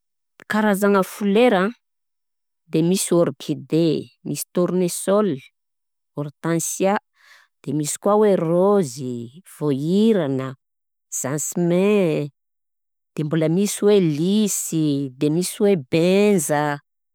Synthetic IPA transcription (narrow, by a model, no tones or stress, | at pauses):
kaɾazaŋəfuleɾã | d̪emisoɾpʰid̪emʔisi̥t̪uɾunesɔl | oɾit̪ãnsja | d̪̥emisi̥kwaweroziv̥oiɾanə | z̥ansimẽ | d̪̥embuləmisiwelisid̪emisiwebenzə